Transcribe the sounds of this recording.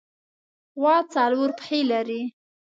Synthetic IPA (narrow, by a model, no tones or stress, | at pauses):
wɑt͡sɑluɾpxelaɾi